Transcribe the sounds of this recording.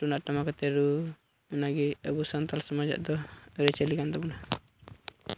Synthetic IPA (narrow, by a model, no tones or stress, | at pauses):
ʈunaʔʈamakɔt̪ɛɾu | unaɡɛəbusant̪alsɔmad͡ʒa̰ʔd̪ɔɾɛt͡ʃɛlikand̪ɔbɔna